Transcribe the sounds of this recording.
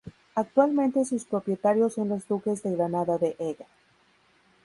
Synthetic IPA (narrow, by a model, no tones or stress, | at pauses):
ak̚t̪walmẽ̞nt̪e̞suspɾo̞pje̞t̪aɾjo̞sonlo̞zd̪uke̞zðe̞ɣɾanaðaðe̞ʔeɣa